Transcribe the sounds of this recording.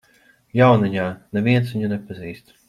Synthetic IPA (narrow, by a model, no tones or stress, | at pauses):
jawniɲaːnɛvʲiɛnsviɲunɛpaziːst̪